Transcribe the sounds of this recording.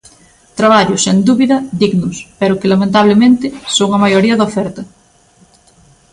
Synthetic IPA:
t̪ɾaβaʎosend̪uβiðɐðiɣnospeɾokelamẽnt̪aβ̞lemẽnt̪esoŋamajoɾiɐðofeɾt̪ɐ

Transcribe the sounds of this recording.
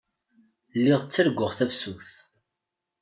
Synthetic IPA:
lːiʁt͡sːəɾɡʷːʊʁθævsuθ

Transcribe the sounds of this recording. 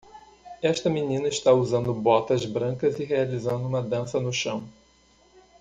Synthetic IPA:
ɛʃt̪ɐminĩnɐɪʃt̪auzɐ̃nd̪ʊbɔt̪ɐzbɾɐ̃kɐzɪɦealizɐ̃nd̪ʊũmɐd̪ɐ̃sɐnʊʃɐ̃w̃

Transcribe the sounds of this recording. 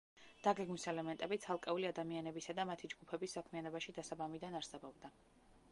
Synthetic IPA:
d̪̥aɡɛɡmisɛlɛmɛnt̪ʼɛbit̪sʰalˠkʼɛuliad̪amianɛbisad̪amat̪ʰid͡ʒɡupʰɛbisːakʰmianɔbaʃid̪asabamid̪anaɾsɛbɔbd̪a

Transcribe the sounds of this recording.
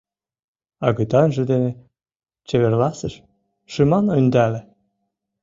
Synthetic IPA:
ɑɣɤt̪ɑnʒə̆d̪enĕ | t͡ɕeβerlˠɑsəʃ | ʃɨmɑnond̪ælĕ

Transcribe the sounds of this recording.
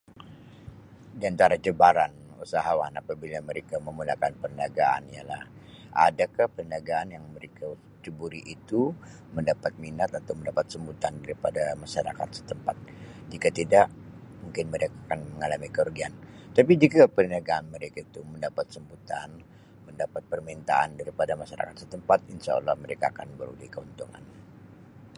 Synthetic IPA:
diant̪aɾad͡ʒəbaɾanusaɦawanapabilaməɾekaməmunakanpənaɡaa̰nijala̰ha̰dakahpənaɡaːnjaŋməɾeka | t͡ʃəbuɾiʔit̪u | məndapat̪̚minat̪at̪awməndapat̪səmbut̪andaɾipadamaʃaɾa̰ka̰t̪sə̥t̪əmpat̪̚ | d͡ʒikat̪idaʔ | muŋkɪnməɾekaakanməŋalamikəurɡiant̪apid͡ʒikapənaɡaːnməɾekait̪uməndapat̪səmbut̪a̰n | məndapat̪̚pərmint̪a̰ʔa̰ndaɾipadamaʃaɾa̰kat̪̚sət̪əmpat̪̚inʃa̰ə̰lːɔhməɾekaːkanbəɾulɪhkəunt̪uŋa̰n

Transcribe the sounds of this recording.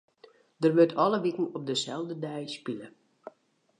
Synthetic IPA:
d̥ərʋøtʰɔləʋikn̩ɔp̚dəsɛlˠvdədɛjspilə

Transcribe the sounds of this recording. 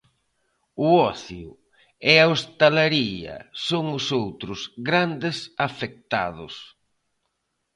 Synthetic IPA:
ʊɔθjʊ̰ | eaost̪alaɾiɐ̰soŋʊsowt̪ɾʊzɡɾand̪ɪsafek̚t̪a̰ðʊs

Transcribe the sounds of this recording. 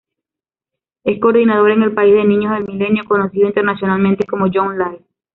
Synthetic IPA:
e̞sko̞ːɾðinað̞o̞ɾe̞ŋe̞lpaizðe̞nĩɲo̞zðe̞lmile̞njo̞ko̞no̞siðint̪e̞ɾnasjo̞nalmẽnt̪e̞ko̞moʝonlaj

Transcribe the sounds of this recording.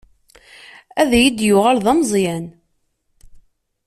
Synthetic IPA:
æðæjid̪jʊʁælðɑmzˤjæn

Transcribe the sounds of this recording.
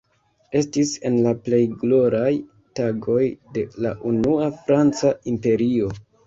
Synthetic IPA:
e̞stise̞nlaple̞jɡlo̞ɾaj | taɡo̞jde̞laʔunuafɾant͡saimpe̞ɾio̞

